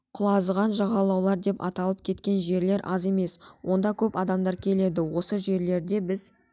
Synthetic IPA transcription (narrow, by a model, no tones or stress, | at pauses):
qʰʊlˠɑzʁɑnʒɑʁɑlˠɑwlˠɑɾd̪e̞pɑ̰t̪ɑlˠəp̚kʲʰe̞t̪kʲe̞nʒe̞ɾle̞ɾʔɑze̞me̞swo̞nd̪ɑkʲʰɵpɑd̪ɑmd̪ɑɾkʲʰe̞le̞d̪ɪwo̞səʒe̞ɾle̞ɾd̪e̞bɪz